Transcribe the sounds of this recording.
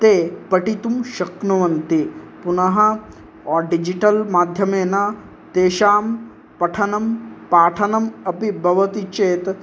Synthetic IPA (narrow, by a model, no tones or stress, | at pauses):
t̪eːpɐʈit̪umʃɐknɐʋɐnt̪ipunɐɦɐ | ɔːɖid͡ʒiʈɐlmaːd̪ʱjɐmeːna | t̪eːʃaːm | pɐʈʰɐnɐmpaːʈʰɐnɐmɐpibʱɐʋɐt̪it͡ʃeːt̪